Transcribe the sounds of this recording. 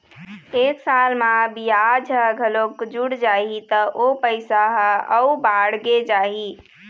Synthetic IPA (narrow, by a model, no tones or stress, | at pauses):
eksalmãbijad͡ʒʱəɡʱəlokd͡ʒuɽd͡ʒaɦit̪əʔopəɪsaɦəəbaɽɡed͡ʒaɦi